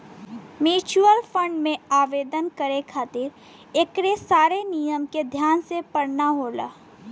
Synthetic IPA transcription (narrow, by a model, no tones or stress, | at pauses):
mjuːt͡ʃuəlfə̃ɳɖmẽaːʋeːd̪ənkəɾekʰaːt̪ɪɾ | ekɾesaːɾenijəmked̪ʱjaːnsepəɽnaɦoːla̰ː